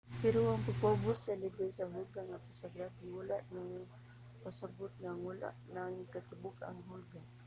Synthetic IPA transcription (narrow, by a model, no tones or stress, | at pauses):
pɪɾoaŋpaɡ̚pabʊsalɪbesaɦʊlɡaŋat̪ʊsaɡɾafiwalaʔnaŋ | pasabʊt̪̚ŋaŋwala̰ʔnaŋkat̪ɪbʊka̰ŋɦʊlɡa